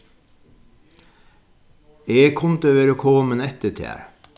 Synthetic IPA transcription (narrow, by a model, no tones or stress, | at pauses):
eːkʰʊnt̪əʋeːɾoːkʰoːmənɛt̪ət̪ʰæ̰ːɾ